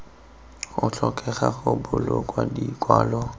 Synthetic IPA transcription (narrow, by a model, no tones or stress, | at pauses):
ʊt͡ɬʰɔkʼɛχaχʊbʊlɔkʼwadikʼwaːlɔ